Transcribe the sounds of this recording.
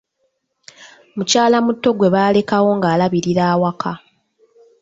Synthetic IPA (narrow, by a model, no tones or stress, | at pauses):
mucaːlamutːo̞ɡwe̞βaːle̞kawo̞ŋɡaːlaβiɾiɾaːwakʰa